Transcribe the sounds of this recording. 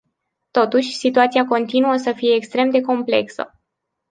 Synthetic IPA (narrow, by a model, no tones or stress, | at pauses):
t̪o̞t̪uʃʲsit̪uat̪siako̞nt̪inuəsəfije̞ːkst̪ɾe̞md̪e̞ko̞mple̞ksə̰